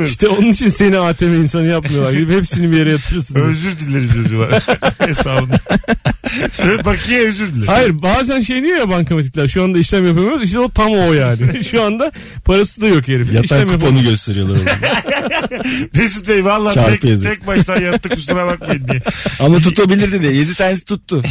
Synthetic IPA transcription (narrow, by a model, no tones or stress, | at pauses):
iʃt̪ɛo̞nunit͡ʃʰinse̞niaːt̪ʰe̞mɛinsanɯjapmajoaɾɡid̪iphepsinibijeɾɛjat̪ʰɯɾsɯnøzyɾd̪ilʲːeɾizøzyvaɾesaːbɯnd̪a | bakʰɯjaøzyɾd̪ilʲehajiɾbaːzænʃejnijojapankʰamet̪̬ʰiclʲæɾʃuand̪aiʃlʲæmjapamijoɾziʃ̬t̪ɛot̪ʰamojaːnɪʃuand̪a | pʰaɾasɯd̪ajo̞keɾefijatiʃʰaɾæmkjuaponuɟø̞st̪ʰe̞ɾijolˠaɾɾol | besit̪ejvallˠːaːt͡ʃaɾɛc̪ʰɯezt̪ʰɛc̚baʃt̪ʰajat̪ːɯkʰusaɾabak̚majinːijamat̪ʰut̪abilʲiɾd̪id̪ɛje̞d̪it̪ʰaːnesi̥t̪ʰut̪ʰːʊ